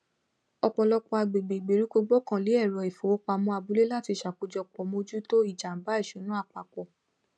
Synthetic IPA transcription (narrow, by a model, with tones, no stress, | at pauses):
ɔ˧k͡pɔ˧lɔ˧k͡pɔ˧a˧ɡ͡be˨ɡ͡be˨ɡ͡be˨ɾi˨˦ko˧ɡ͡bɔ˦kã˦˨li˨˦ɛ˦˨ɾɔ˨i˨fo˨wo˨˦k͡pa˧mɔ̃˦a˧bu˨˦le˦la˦˨ti˧ʃa˨ku˨˧d͡ʒɔ˧˨k͡pɔ˨˧mo˧d͡ʒu˦to˦i˦˨d͡ʒa˨m̩˨ba˨˦i˦˨ʃũ˨˦nũ˦a˦˨k͡pa˨kɔ˨